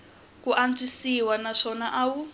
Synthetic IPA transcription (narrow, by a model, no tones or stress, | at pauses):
kuʔand͡zisiwanaʂɔnaʔaːwu